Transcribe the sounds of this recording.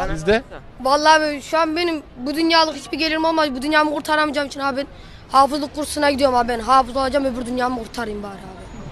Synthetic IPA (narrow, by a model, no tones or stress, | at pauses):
izd̪ɛ | valˠːaːvɛʃuanbenimbud̪ynjaːlˠɯkhit͡ʃbiɟelʲiɾmo̞lˠmabud̪ynjaːmɯqʰuɾt̪ʰaɾamɯd͡ʒamit͡ʃʰinabɛn | haːfɯzlˠɯk̚ɡuɾu̥sunaɟid̪ijo̞ɾmabænɦaːfɯzolˠad͡ʒamebiɾd̪ynjaːmɯqʰuɾt̪ʰaɾɯjɯmbaːɾab